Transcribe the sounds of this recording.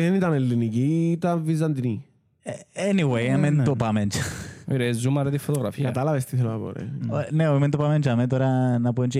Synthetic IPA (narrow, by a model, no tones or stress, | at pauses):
ðenit̪ɐnelːinicit̪ɐnvizɐnt̪ini | ɛniwejament̪opamɛnt͡ʃiɾezumɐɾɐt̪ifːot̪oɣɾɐfikɐt̪ɐlɐvest̪iθeloɐbo̰ɾḛneoimɛ̃nt̪opament͡ʃɐmet̪oɾɐnɐpunt͡ʃi